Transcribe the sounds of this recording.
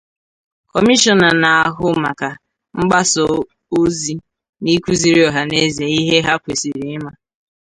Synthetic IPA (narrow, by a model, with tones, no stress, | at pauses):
kɔ˨mi˦ʃɔ˨na˨na˨a˨ɦʊ˦ma˨ka˨ | ŋ͡m̩˦ɡ͡ba˦sɔ˨ | o˦zi˦ | ni˦kʷu˦zi˨ɾi˦ɔ˨ɦa˨ne˦ze˨i˦ɦe˦ɦa˦kʷe˨si˨ɾi˨˦ma˦